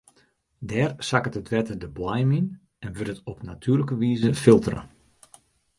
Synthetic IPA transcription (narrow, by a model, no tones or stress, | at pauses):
dɛːrsakətətʰʋɛtədəbwajmin | ɛnʋøtətɔpnatʰyːrləkəʋiːzəfɪlˠtərə̰